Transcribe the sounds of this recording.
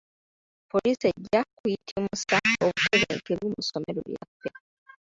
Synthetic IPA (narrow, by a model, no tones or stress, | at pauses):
po̞liːseɟːakujitʰimusaoβuteβḛːkeβumusome̞ɾo̰ja̰fːe̞